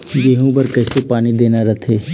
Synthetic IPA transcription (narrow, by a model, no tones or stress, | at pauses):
ɡeːɦũbɐɾkɛːsepaːnid̪eːnaɾɐt̪ʰeː